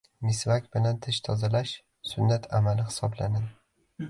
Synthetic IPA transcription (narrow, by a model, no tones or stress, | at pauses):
mɪsvakʲbɪlant̪ʰɪʃt̪ʰɒzalaʃ | sʊnːat̪ʰamalɪhɪ̥sɒblanad̪ɪ